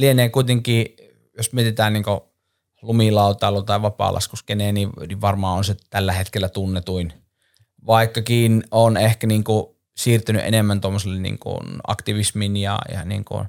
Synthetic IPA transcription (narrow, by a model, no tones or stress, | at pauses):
lieneːkuit̪eŋkˑiː | josmiet̪it̪æːnniːŋko | lumilɑˑut̪ˑɑˑelːot̪ɑˑiʋʋɑpɑ̰lʔɑ̰skuskeneːniʋniʋʋɑrmɑːonset̪ælːæhet̪kelːæt̪unːet̪uin | ʋɑˑikːɑkiːnonehkæniːŋku | siːrt̪yny̰ʔḛnemːænt̪omːoselːennḭːŋkṵnɑ̰kt̪iʋisminjɑ̰jɑ̰nḭːŋkṵn